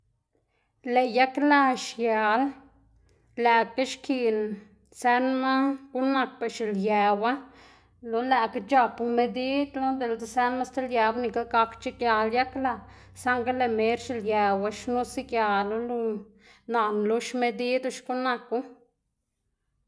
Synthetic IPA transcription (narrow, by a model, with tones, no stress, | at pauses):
le˨ja˦kla˦˧ʃja˨l | læ˨ka˦ʃki˧n | se˧˦nma˦ɡ̥u˦na˧k̚pa˨ʃi˨ljæ˨wa˦ | lo˧læ˧ka˦t͡ʃa˧pu˧me˧d̪i˦d̪lo˦d̪e˨ld̪e˨sæ˧nma˦st̪e˦lja˧wa˦ni˧ka˦ɡa˧kt͡ʃi˦kja˧lja˦kla˧ | sa˦ŋɡa˦le˨me˨˦ɾʃi˨lja˨˧wa˦ʃnu˦si˦kja˨˧lo˧˦lu˧ | na˨nlu˧˦ʃme˧d̪i˦d̪u˧ʃɡu˦na˧ku˦